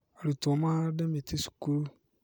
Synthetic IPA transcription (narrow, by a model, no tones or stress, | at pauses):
alitʊmãdɛmɪ̃tʰɪsu̥kuɾo